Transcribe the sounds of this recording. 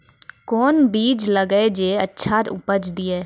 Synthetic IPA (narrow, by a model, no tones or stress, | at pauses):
koːnbiːd͡ʒləɡed͡ʒeːə̰tːʃʰaɾʊ̰pəd͡ʒd̪iːɛː